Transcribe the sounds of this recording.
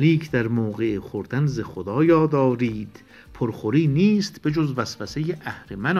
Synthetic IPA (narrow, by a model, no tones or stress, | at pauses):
ɾiːcʰd̪æɾmoːɣeχoɾd̪ænzexod̪ɒːjɒːd̪ɒːɾiːd̪̥ | pʰoɾχoɾiːniːst̪b̥ed͡ʒozvæsvæsejeʔæhɾemæn